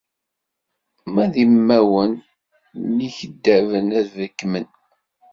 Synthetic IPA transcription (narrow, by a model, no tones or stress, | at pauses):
mæðimːæwənː | içəd̪ːævənæðvəkːmən